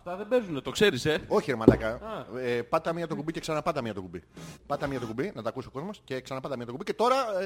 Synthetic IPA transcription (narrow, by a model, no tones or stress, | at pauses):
ɐft̪ɐðebezunet̪o̞kse̞ɾiseo̞çieɾimɐlɐkɐepɐt̪ɐmiɲɐt̪o̞kubice̞ksɐnɐpɐd̪ɐmiɲɐt̪okubipɐt̪ɐmiɲɐt̪o̞kubinɐt̪ɐkusio̞ko̞zmosce̞ksɐnɐpɐd̪ɐmiɲɐt̪okubice̞t̪o̞ɾɐ